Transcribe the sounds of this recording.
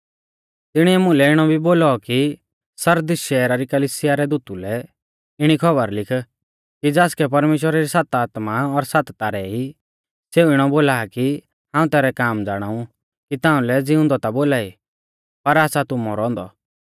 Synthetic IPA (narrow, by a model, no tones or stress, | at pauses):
t̪ɪɽ̃iɛmʊ̃lɛɪɽ̃ɔbʱiboːlɔki | sɐɾd̪ɪsʃɛːɾaɾikɐliːsɪjaɾɛd̪uːt̪ulɛ | ɪɽ̃ikʰɐbəɾlɪkʰ | kid͡zaːskɛpɐɾmeːʃ̬wəɾaɾisaːt̪aːt̪maɔɾsat̪t̪aɾɛi | seːuɪɽ̃ɔboːlaːki | ɦãːũt̪ɛːɾɛkaːmd͡zaːɽ̃aːũ | kit̪ãːũlɛd͡zɪʊ̃nd̪ɔt̪aboːlaːi | pɐɾaːsat̪umɔ̰ɾɔ̃ːnd̪ɔ